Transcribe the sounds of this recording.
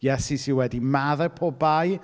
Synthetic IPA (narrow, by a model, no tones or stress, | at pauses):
jɛsisiwɛdimaðɛpʰɔbaj